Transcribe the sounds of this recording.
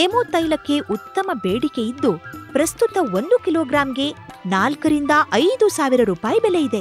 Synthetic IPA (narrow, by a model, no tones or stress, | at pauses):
emoːt̪ɐjlɐkːe̞ʔut̪ːɐmɐbeːɽikejid̪ːupɾɐst̪ut̪ɐo̞nd̪ukiloːɡɾaːmɡe̞ | naːlkɐɾind̪ɐʔɐjd̪usaːʋiɾɐɾuːpaːjibɛlejid̪e̞